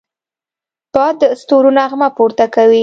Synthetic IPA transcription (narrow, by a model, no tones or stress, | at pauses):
b̥ɑəst̪oɾunaaɣmapoɾt̪akawi